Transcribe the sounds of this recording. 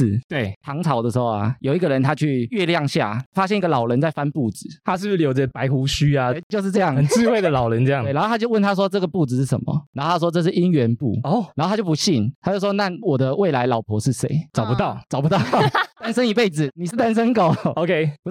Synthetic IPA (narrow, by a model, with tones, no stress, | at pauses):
t̪we˥˩ɪt̪ʰɑ˧˥ŋt͡sʰɑ˨˧˦ʊdə˩ʂ̩˧˥xo˥˧ʊa̰˩jo˨˩ʊi˧˥ɡə˨ɻə˧˦nt̪ʰa˥t͡ɕʰy˥˧ɥɛ˥˧ljɑ˥˨˧ŋɕja̰˥˨˩fa˦˥ɕjɛ˥˧ni˥ɡə˨lɑ˨˩ʊlə˧˦nt͡sa˥˧ɪfa˦npu˥˨d͡zɹ̩˨˩˦t̪ʰa˦ʂ̬̩˥˩˨ljo˧ʊdə˧pa˧˦ɪxu˧˥ɕy˥a˨˧˩t͡ɕjʊʂ̬̩˥˧ʈ͡ʂɤ˥˧jɑ˥˨ŋə˨nɹ̩˥˧xwe˥ɪd̪ə˨lɑ˨˩ʊlə˧˦nə˥˧jɑ˥˨e˩na˧xo˥˧a˥t͡ɕjo˧wə˥˨nt̪ʰa˥ʂ̬wɔ˥t͡sɤ˥˩ɡə˩pu˥˨d͡zɹ̩˨˩ʂ̩˥˩ʂə̰˧˦mə̰˩n˨˧˦xo˥˧tʰa˥ʂwɔ˥ɤ˥˧ʂ̬ɻ̩˥˩ʔi˦nɥɛ˧˦npṵ˥˩o˥˩na˨˧˥xo˥˩t̪ʰa˥t͡ɕjpu˧˦ɕi˥˩nt̪ʰa˥t͡ɕo˥˧˩ʂwɔ˦˥na˥˨wɔ˨˩d̪ə˦we˥˩ɪla˧˦ɪlɑ˨˩ʊpʰwɔ˧˥ʂɻ̩˥˧se˥˩ɪt͡sɑ˨ʊpu˧˦t̪ɑ˥˨˩ʊt͡sɑ˨˩ʊpu˦t̪ɑ˥˩t̪a˥nsə˥ŋi˧˥pe˥˩ɪd͡zɹ̩˨˩ni˨˩ʂ̩˥˩t̪a˥˦nsə˦nko˨˩ʊo˧ʊkʰe˦ɪp